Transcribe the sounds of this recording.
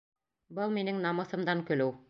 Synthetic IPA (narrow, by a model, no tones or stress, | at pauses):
bɤlˠminɘŋnɑmɤ̆θɤ̆md̪ɑŋkɵ̆lɘw